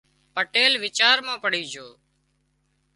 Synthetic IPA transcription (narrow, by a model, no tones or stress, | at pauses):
pəʈeːlʋɪt͡ʃaːɾmãːpəɽiːd͡ʒʱoː